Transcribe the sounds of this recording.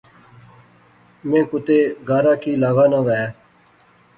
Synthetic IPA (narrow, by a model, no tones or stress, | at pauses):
mẽːkʊt̪eːɡaːɾaːkiːlaːɣaːnãːʋɛː